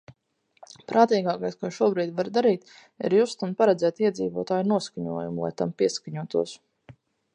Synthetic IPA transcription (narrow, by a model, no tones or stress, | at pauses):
pɾaːt̪iːɡaːkajskuɔʃuɔbɾiːd̪ʲvaɾd̪aɾiːt̪ | ḭɾjust̪anpaɾɛd̪zɛːt̪iɛd̪zḭːvuɔːt̪aːjunuɔskaɲṵɔjumulˠa̰jt̪ampiɛskaɲuɔt̪uɔs